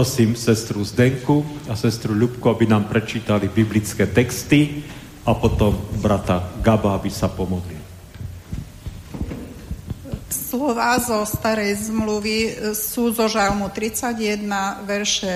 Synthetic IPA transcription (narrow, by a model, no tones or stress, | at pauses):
ɾɔsiːmsɛst̪ɾuzd̪ɛŋkuasɛst̪ɾuʎupkuabinaːmpɾɛt͡ʃiːt̪alibiblit͡skɛːt̪ɛkst̪i | apɔt̪ɔmbɾat̪aɡabaabisapɔmɔd̪li | slɔʋaːzɔst̪aɾɛjzmluʋisuːzɔʒalmut̪ɾit͡saɟjɛd̪naʋɛɾʃɛ